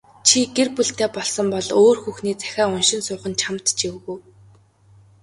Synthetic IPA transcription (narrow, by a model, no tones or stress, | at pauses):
t͡ɕʰiɡerpuɬt̪eːpɔɮsɞ̆mpɔɮoːrxuxniːt͡sæ̥xʲæːʊnʃɪ̆nsʊːχə̆nt͡ɕʰamt̪t͡ɕiwɣŭj